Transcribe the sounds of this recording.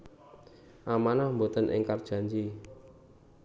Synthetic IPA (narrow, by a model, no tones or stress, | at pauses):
ʔamanahmbot̪ənʔɪ̰ŋkard̥ʒ̥a̤ɲd͡ʒi